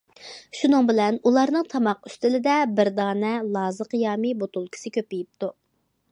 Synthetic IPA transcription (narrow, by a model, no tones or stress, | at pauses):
ʃunɨŋbɪlɛnulˠɑɾnɨŋt̪ʰɑmɑqy̥st̪ɪlɪd̪ɛbɪɾd̪ɑːnɛlˠɑːzəqjɑːmibot̪ulˠkʲʰi̥sɪkʲʰøpɪjip̚t̪u